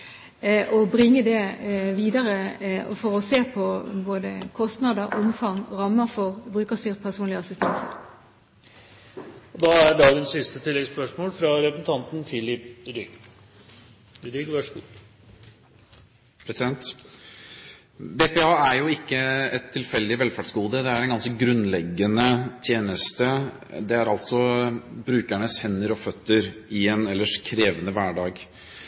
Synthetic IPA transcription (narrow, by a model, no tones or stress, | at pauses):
ʔɔbɾɪŋːəd̪ɛʋiːd̪ɑɾəɔ̰fɔɾɔseːpʰɔboːd̪ə̰kʰɔst̪nɑd̪əɾʊmfɑŋɾɑmːəfɔʁbʁʉːkəst̪yːʁt̪pʰæʁsuːnlɪəɑsɪst̪ɛnsə̰ʁ | ɔd̪ɑæɖɑːɡənsːɪst̪ət̪ʰɪlːɛɡspœʂmoːlfɾɑɾɛpsn̩t̪ʰɑnt̪n̩fɪlɪpɾʏɡ | ɾʏɡʋœʂɡṵː | pʰɾɛsɪd̪ɛnt̪ | bepɛɑːæɾjʊɪkːəɛt̪ʰːɪlfɛlːd̪ɪʋɛlfæɖsɡuːd̪əd̪ɛæɾɛnɡɑnsəɡɾʉnlɛɡːənət̪ʰjeːnəst̪ə | d̪ɛæɾɑlt̪sɔbɾʉːkæɳəshɛnːəɾɔfœt̪ːəɾɪɛnɛlːəʂkʰɾeːʋənəʋæːɖɑːɡ